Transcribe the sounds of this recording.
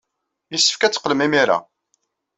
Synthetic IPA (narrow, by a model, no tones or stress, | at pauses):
jəsːə̥fkæt͡sːə̥qːəlmimiɾa̰